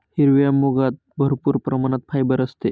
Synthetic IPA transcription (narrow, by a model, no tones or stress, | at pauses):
hiɾʋijamːoɡat̪̚ | bʱəɾpuːɾpɾəmanat̪̚fʰajbəɾəst̪e